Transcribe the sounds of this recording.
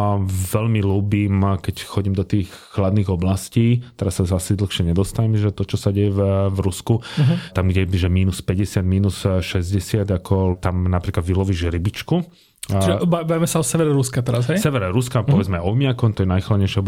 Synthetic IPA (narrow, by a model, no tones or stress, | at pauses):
ʋɛʎmiluːbimkɛcxɔɟiːmd̪ɔt̪iːx | xlad̪niːɣɔblasciːt̪ɛɾasːaasid̪l̩xʃɪɛɲɛd̪ɔst̪aɲɛmɛʒɛt̪ɔt͡ʃɔsaɟɛjɛvɾuskut̪amɡɟɛʒɛmiːnuspɛɟɛsɪad̪miːnusʃɛzɟɛsɪad̪akʰɔt̪amnapɾiːklad̪ʋilɔʋiːʒɾibit͡ʃku | t͡ʃiʒɛbaibaʋimɛsaɔsɛʋɛɾɛɾuskat̪ɛɾasɦɛjsɛʋɛɾɛɾuskapɔʋɛd͡zmɛʔɔmɪakɔmt̪ɔjɛnajxlad̪ɲɛjʃaɔb